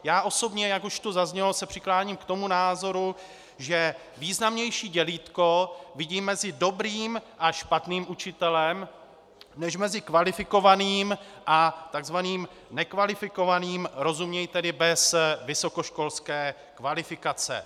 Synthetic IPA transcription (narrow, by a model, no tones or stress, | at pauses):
jaːʔo̞so̞bɲɛjakuʃt̪uzazɲɛlosɛpr̝̥ɪklaːɲiːmkt̪o̞munaːzo̞ɾu | ʒɛ | viːznamɲɛjʃiːɟɛliːt̪ko̞vɪɟiːmːɛzɪdo̞bɾiːmʔaʃpat̪niːmʔut͡ʃɪt̪ɛlɛm | nɛʃmɛzɪkvalɪfɪko̞vaniːmʔat̪aɡzvaniːm | nɛkvalɪfɪko̞vaniːmɾo̞zumɲɛjt̪ɛdɪbɛsvɪso̞ko̞ʃko̞lskɛː | kvalɪfɪkat͡sɛ̰